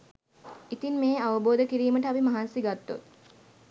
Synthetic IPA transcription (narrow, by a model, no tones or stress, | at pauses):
it̪inmeːaʋəboːd̪əkiɾiːməʈəabimaɦansiɡat̪ːo̰t̪̚